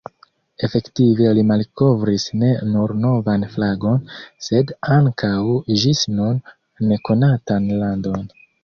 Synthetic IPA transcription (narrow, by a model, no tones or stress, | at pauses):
e̞fe̞ktive̞limalko̞vɾisne̞nuɾno̞vanflaɡo̞nse̞daŋkʰawʒisnunː | e̞ko̞natanlando̞n